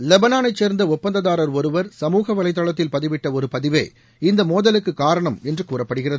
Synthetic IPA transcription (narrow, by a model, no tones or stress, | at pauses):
lɛbɐnaːnɐɪt͡ʃːeːɾnd̪ɐʊpːɐnd̪ɐðaːɾɐɾɔɾɯʋɐɾsɐmuːɣɐʋɐɭɐɪt̪ːɐɭɐt̪ːɪlpɐðɪʋɪʈːɐɔɾɯpɐðɪʋḛː | ɪnd̪ɐmoːðɐlɯkːɯkːaːɾɐɳɐmɛndrɯkuːrɐpːɐɽɯɣɪrɐðɯ